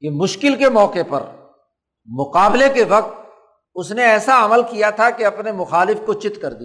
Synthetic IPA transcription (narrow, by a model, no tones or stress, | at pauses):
kemʊʃkɪlkemɔːqepɐ̰ɾ | mʊqaːblekeʋɐq̚t̪̚ | ʊsneɛːsaɐməlkijat̪ʰakeɐpnemʊxaːlɪfkot͡ʃɪt̪kɐɾd̪i